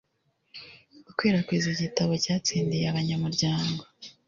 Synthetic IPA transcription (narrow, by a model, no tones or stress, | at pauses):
ɡ̥ukwe̞ːɾakwizoɟitaβo̞caːt͡siːndijeaβaɲamuɾɟaːŋɡo̞